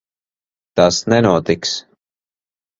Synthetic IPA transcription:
t̪asnɛnuɔt̪iks

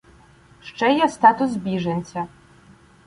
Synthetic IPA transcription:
ʂʈ͡ʂʼɛjɛst̪aːt̪ʰus̬bʲiʐɐnʲt͡sʰʲɐ

